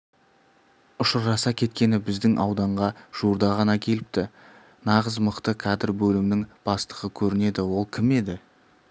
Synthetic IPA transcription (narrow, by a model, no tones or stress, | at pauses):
ʊʃəɾʒɑsɑkʲʰe̞t̪kʲe̞nɪbɪzd̪ɪŋʔɑwd̪ɑɴʁɑʒ̥uɾd̪ɑʁɑnɑkʲʰe̞lɪp̚t̪ɪ | nɑʁəzməqt̪əkʲʰɑd̪ɪɾbɵlɪmnɪŋb̥ɑst̪əʁəkʲʰɵɾɪne̞d̪ɪwo̞lˠkʲʰɪme̞d̪ɪ